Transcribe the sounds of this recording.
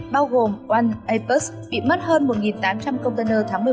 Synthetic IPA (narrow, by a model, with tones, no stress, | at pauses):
ɓaː˧wɣo˨˩mʔwa˧nʔə˧jpə˦˥s | ɓḭ˧˨mə˦˥t̚həː˧nmo˨˩t̚ŋi˨˩nt̪aː˨˦mt͡ɕa˧mkə˧wŋ͡mt̪ə˧nəː˧t̪ʰaː˨˦ŋmɨ˨˩